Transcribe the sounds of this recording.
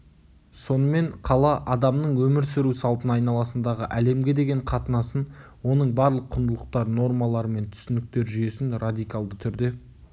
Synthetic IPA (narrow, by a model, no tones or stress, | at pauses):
so̞nəme̞ɴqʰɑlˠɑʔɑd̪ɑmnəɴwɵmɪɾsɪɾusɑlˠt̪ənɑjnɑlˠɑsənd̪ɑʁəʔæle̞mɡʲe̞d̪e̞ɡʲe̞ɴqʰɑt̪ənɑsən | wo̞nəɴbɑɾlˠəqʰːʊnd̪əlˠəq̚t̪ɑɾno̞rmɑlˠɑɾəme̞nt̪ʰʏ̥sɪnɪk̚t̪e̞ɾʒʏje̞sɪnrad̪ijkalˠd̪ət̪ʰʏɾd̪e̞